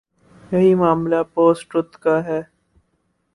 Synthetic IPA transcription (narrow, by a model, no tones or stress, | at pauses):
jɐɦimaːmlapoːsʈʊt̪kaɦɛː